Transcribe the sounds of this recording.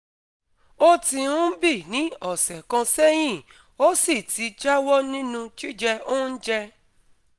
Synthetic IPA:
o˦ti˧ũ˦bi˦˨nĩ˨˦ɔ˦˨sɛ˨kã˧sɛ˦j̃ĩ˦˨ | o˦si˦˨ti˨˧d͡ʒa˦wɔ˦nĩ˦nũ˧t͡ʃi˦d͡ʒɛ˧o˦n̩˦d͡ʒɛ˧

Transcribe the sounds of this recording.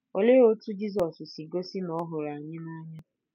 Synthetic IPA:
o˨le˦o˦tu˦d͡ʒi˦z̬ɔ˨ssi˨ɡo˦si˦nɔ˦ɦʊ˨ɾa˨ɲɪ˦na˦ɲa˦

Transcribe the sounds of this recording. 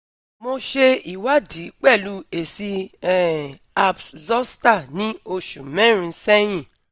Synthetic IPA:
mo˧ʃe˧i˨wa˦di˨˦k͡pɛ˦˨lu˧˦e˨si˧˦˨ | a˧pszɔ˦sta˦˨nĩ˦o˧ʃũ˨mɛ̃˦ɾ̃ĩ˧˦sɛ˦j̃ĩ˦˨

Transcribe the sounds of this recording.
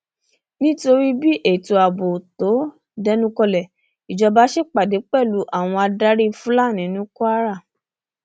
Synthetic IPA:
nĩ˦to˧ɾi˦bi˦ʔe˦˨to˨a˨bo˨to˨˦ | dɛ˦nũ˦kɔ˧lɛ˨ | i˨d͡ʒɔ˧ba˨˦ʃe˦k͡pa˨de˨˦k͡pɛ˦˨lu˨˦ʔa˦˨w̃ɔ̃˧a˧da˦ɾi˦˧fũ˦la˦˨nĩ˨˦nũ˦ku˦a˦ɾa˦˨

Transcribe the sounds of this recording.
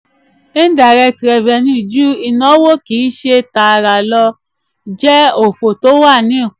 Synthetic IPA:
ĩ˦da˨ɾɛ˧tɾɛ˨vɛ˨nĩ˧˨d͡ʒu˦i˧nɔ̃˨˦wo˦˨kiː˨˦ʃe˧ta˨˧ɾa˨lɔ˧ | d͡ʒɛ˦o˨fo˨to˨˦wa˦˨nĩ˨˦i˦˨

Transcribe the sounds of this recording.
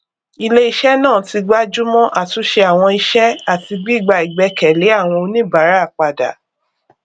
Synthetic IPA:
i˧le˦i˧ʃɛ˦nãː˦˨ti˧ɡ͡ba˦d͡ʒu˦mɔ̃˦ʔa˦˨tu˨˦ʃe˧a˨w̃ɔ̃˧i˧ʃɛ˦a˦˨ti˧ɡ͡bi˦˨ɡ͡ba˧i˨ɡ͡bɛ˨˧˦kɛ˨le˨˦a˦˨w̃ɔ̃˧o˧nĩ˦ba˨˦ɾa˦˨k͡pa˨da̰˨

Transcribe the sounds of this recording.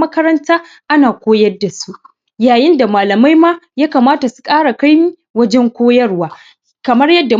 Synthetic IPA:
mɐ˦kɐ˦ɾɐ˦ntaː˦ | ʔa˦naː˨kʷoː˦jɐ˦dːa˨su˦ʔ | jaː˨jɪ˦nda˨maː˨lɐ˨ma˦jmaː˦jaː˦kaː˨maː˦ta˨su̥˨kʼaː˦ɽa˨ka˦jmi˦ | wɐ˦d͡ʒɛ˦ŋkʷoː˦jɐ˦rwaː˦ | kɐ˨mɐ˦rjɐ˦dːa˨

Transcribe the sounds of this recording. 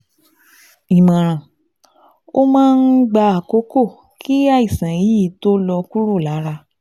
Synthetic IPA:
i˨mã˨ɾ̃ã˨ | o˦mãː˦˧n̩˦ɡ͡ba˧a˨ko˦ko˦˨ | kʰi˦a˦˨i˨sã˨ji˨˦i˦˨˦to˦lɔ˧ku˦ɾo˦˨la˨˦ɾa˧

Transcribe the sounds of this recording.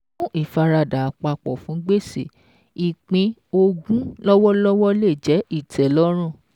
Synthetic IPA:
ũ˦ʔi˦˨fa˧ɾa˧da˨a˨k͡pa˧k͡pɔ˨fũ˨˦ɡ͡be˦˨se˨ | i˨k͡pĩ˧o˧ɡũ˦lɔ˦wɔ˦lɔ˦wɔ˦le˦˨d͡ʒɛ˨˦i˦˨tʰɛ˨lɔ˦ɾ̃ũ˦˨

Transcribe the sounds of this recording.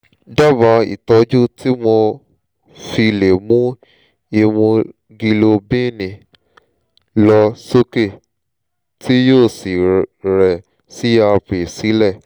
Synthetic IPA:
da˦˨ba˨˦ḭ˨tɔ˨˧˦d͡ʒu˦tʰi˦mɔ˧ | fi˧le˨mũ˦ | i˧wũ˧ | ɡi˧lo˧bĩ˦˨nĩ˨ | lɔ˧so˦ke˦˨ | tʰi˦joː˦˨si˨ɾɛ˨ | si˨˦a˧pe˨si˨˦lɛ˦˨

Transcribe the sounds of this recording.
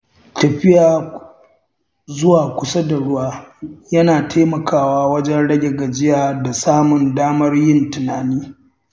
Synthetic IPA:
tɐ˨ɸɪ˦jaː˨ | zʊ˦waː˨kʷʊ˨sa˦da˨ɽʊ˦waː˦jɐ˦naː˨tʰaː˦mɐ˨kʰaː˦˨waː˦wɐ˦d͡ʒɛ˦nɽɐ˦ɡʲɛ˨ɡɐ˨d͡ʒɪ˦jaː˨da˨saː˦mʊ˨ndaː˦mɐ˦rjɪ˦ntʊ˨naː˨niː˦

